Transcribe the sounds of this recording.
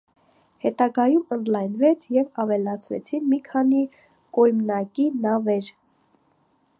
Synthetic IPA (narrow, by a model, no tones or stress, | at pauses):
hɛt̪ɑɡɑjumənd̪lɑjnvɛt͡sʰjɛvɑvɛlɑt͡sʰvɛ̰t͡sʰinmikʰɑni | kɔjmnɑkinɑvɛɾ